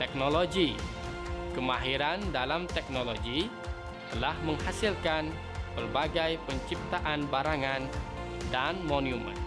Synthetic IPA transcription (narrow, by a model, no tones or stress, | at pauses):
t̪ɛk̚noloɡi | kəmaɦiɾandalamt̪ɛk̚noloɡi | t̪əlahməŋhasilkan | bərbaɡajpəɲt͡ʃip̚t̪aʔanbaɾaŋan | danmoniumə̰n